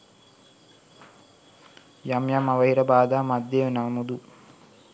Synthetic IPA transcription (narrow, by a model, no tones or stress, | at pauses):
jɐmjɐmɐʋɐɦiɾɐbaːd̪aːmɐd̪jeʋnaːmud̪u